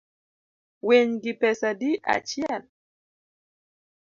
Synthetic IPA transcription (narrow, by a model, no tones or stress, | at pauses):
weɲɡipɛsadiʔa̰t͡ʃjɛl